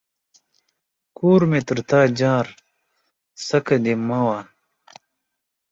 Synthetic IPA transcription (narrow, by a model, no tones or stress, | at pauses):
kuːɾmet̪ɨɾt̪aːd͡ʑaːɾ | sɐkɐd̪emaːwaːn